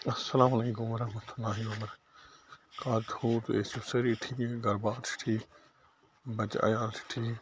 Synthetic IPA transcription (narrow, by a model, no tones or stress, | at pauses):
ɐsːɐlaːmɐleːkumɾɐɦmɐt̪ʰulːaːɦiɐmɐɾ | kaːd̪uːt̪eːsusɐɾiʈʰiːɡɐɾbaːɾt͡ʃʰʈʰiː | bɐt͡ʃa̰jaːlt͡ʃʰʈʰiː